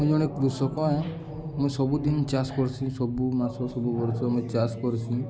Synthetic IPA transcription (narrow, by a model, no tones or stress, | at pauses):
mɔ̃d͡ʒɔɽ̃ekɾusɔkɔ̃ɛ̃ | mɔ̃sɔbud̪int͡ʃaskɔɾsʰĩsɔbumasɔsɔbubɔɾsɔmẽt͡ʃaskɔɾsʰĩ